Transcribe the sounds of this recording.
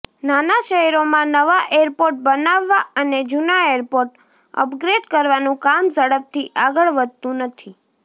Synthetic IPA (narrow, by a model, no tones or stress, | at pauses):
nanaʃəɦɛɾomãnəʋaʔeɾpoɾʈ̚bənaʋːaʔəned͡ʒunaeɾpoɾʈ | ə̰pɡɾeɖkəɾʋanũkamsəɽəp̚t̪ʰiʔaɡəɭʋəd̪̚t̪ũnət̪ʰi